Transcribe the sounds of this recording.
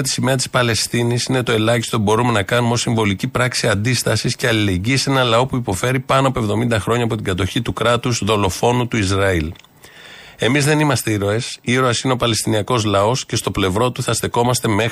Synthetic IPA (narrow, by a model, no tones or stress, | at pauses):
t̪i̥sime̞ɐt̪ispɐle̞st̪inisine̞t̪o̞e̞lɐçist̪o̞pubo̞ɾume̞nɐkɐnumeo̞siɱvo̞licipɾɐksiɐnd̪ist̪ɐsisceɐlile̞ɲɟiːse̞nɐlɐo̞puipo̞fe̞ɾipɐnoɐpo̞e̞vðo̞mind̪ɐxɾo̞ɲɐpo̞t̪iŋɡɐt̪o̞çit̪ukɾɐt̪uzðo̞lo̞fo̞nut̪uizɾɐil | e̞mizðe̞nimɐst̪e̞iɾo̞e̞siɾo̞esine̞o̞pɐle̞st̪iniɐko̞zlɐo̞sce̞st̪o̞ple̞vɾo̞t̪uθɐst̪e̞ko̞mɐst̪e̞me̞x